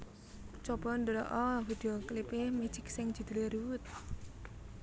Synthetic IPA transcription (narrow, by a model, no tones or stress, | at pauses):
t͡ʃɔb̥ɔ̤nd̪əɾɔ̰ʔɔvid̪̥ioklipeme̥d͡ʒ̥ɪk̚sɪŋ̥d͡ʒ̥i̤d̪̥i̤leɾuwʊt̪̚